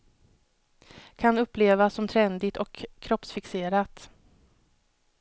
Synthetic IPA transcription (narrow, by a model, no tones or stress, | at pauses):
kʰanɵpːleːvasɔmt̪ʰɾɛnd̪ɪt̪ɔkʰːɾɔpsfɪkseːɾat̪